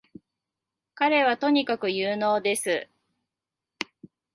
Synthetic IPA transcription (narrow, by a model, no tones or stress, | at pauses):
kaɾe̞β̞at̪o̞ɲ̟ikakɯ̟jɯːno̞ːd̪e̞sɨ